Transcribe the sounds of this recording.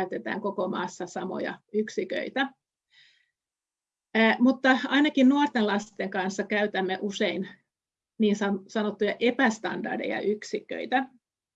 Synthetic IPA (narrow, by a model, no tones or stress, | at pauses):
yt̪et̪æ̰ːŋkokomɑ̰ːsːɑsɑmo̰jɑ̰yksikø̰it̪æ | mut̪ːɑɑinɑkinnuort̪enlɑst̪eŋkɑnsːɑkæyt̪æmːeʔusein | niːnsɑsɑnot̪ːujɑʔepæst̪ɑ̰ndɑ̰rdḛjɑ̰ʔyksikø̰it̪æ